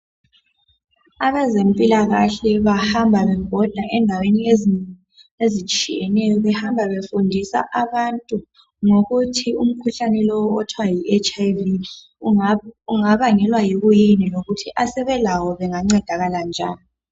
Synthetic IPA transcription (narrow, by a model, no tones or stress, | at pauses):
aβɛzempʼilaɣaɬɛβahambʱaβɛŋɡʱɔd̥ʱaʔɛndʱawenie | ezit͡ʃʼḭjɛnɛjɔβɛhambʱaβefundʱisa̰ʔaβantʼu | ŋoɣutʰium̩kʰuɬanɛlɔwɔɔtʰwajiɛt͡ʃʼajvi | uŋaβaŋɛlwajiɣujiniloɣutʰiʔasɛβɛlawɔβɛŋaŋ͡ǀɛd̥ʱaɣaland͡ʒʱa̰ːni